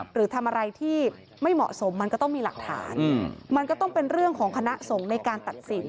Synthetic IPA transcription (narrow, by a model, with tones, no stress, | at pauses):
ɾɯː˩˦t̪ʰa˧mʔa˧ɾa˧jt̪ʰiː˥˩ | ma˥˩jmɔ̰˨˩ʔso˩˦mːa˧nkɔː˥˩t̪ɔ˥˩ŋmiː˧la̰˨˩k̚t̪ʰa̰ː˩˦nma˧nkɔ˥˩t̪ɔ˥˩ŋpe˧nɾɯ˥˩əŋkʰɔː˩˦ŋkʰa˧na˦˥ʔso˩˦ŋna˧jkaː˧nt̪a˨˩t̪̚si˨˩˦n